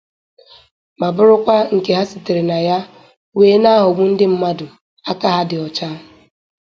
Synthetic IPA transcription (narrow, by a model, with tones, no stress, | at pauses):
ma˨bʊ˦ɾʊ˦kʷa˦ŋ̩˨ke˨ɦa˦si˨te˨ɾe˨na˨ja˦ | weː˦na˦ɦʊ˨ɡʷu˦n̩˦dɪ˦m̩˦ma˦dʊ˨ | a˦ka˦ɦa˦dɪ˨ɔ˨t͡ʃa˦